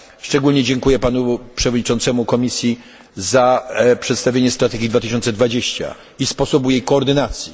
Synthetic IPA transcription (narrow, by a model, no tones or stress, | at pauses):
ʂt͡ʂɛɡulɲɛd͡ʑɛŋkujɛpanupʂɛvɔdɲit͡ʂɔnt̪sɛmukɔmʲisʲji | zapʂɛt̪st̪avʲjeɲɛst̪ɾat̪ɛɡʲid̪vat̪ɘ̥ɕ̬ɔnt̪sɛd̪vad͡ʑeɕt͡ɕa̰ | ispɔsɔbujejkɔːɾd̪ɘnat̪sʲji